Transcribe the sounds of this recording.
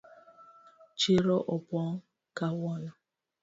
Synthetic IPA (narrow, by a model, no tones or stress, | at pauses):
t͡ʃiɾɔʔɔpɔ | kawɔna